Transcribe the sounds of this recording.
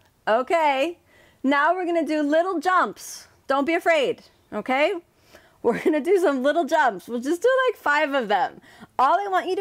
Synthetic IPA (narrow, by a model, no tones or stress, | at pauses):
oʊkʰeɪ | naʊwɨɹɡʌnɨdɨlɪɾl̩ˠd͡ʒʌ̃mps | d̥õʊ̃nb̥iɨfɹeɪd̥ | ʔoʊkʰeɪ | wɪɹɡʌnɨdɨs̬ʌ̃mlɪɾl̩ˠd͡ʒʌ̃mpswɪl̩ˠd͡ʒʌsd̥əlaɪkfaɪvʌvðə̃m | ɔlˠðeɪwɑ̃nt͡ʃɨɾ